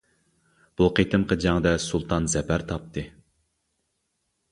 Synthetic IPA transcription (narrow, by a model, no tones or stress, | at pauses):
b̥uqʰet̪ʰɨmqʰɑd͡ʒɑŋd̪ɛsulˠt̪ʰɑnzɛpʰæɾt̪ʰɑp̚t̪ʰɨ